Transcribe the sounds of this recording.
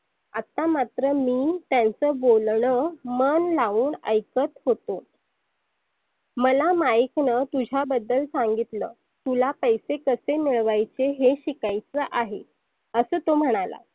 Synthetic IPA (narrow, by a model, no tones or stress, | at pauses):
at̪amat̪ɾəmiːt̪jant͡səbolɳəmənlauːɳəjkət̪hot̪o | məlamaiknət̪ud͡ʑʱabəd̪ːəlsaŋɡit̪lə̰ː | t̪ulapəjsekəsemiɭʋajt͡seɦeɕikajt͡səʔaɦḛ | əsəːt̪om̤əɽ̃ala̰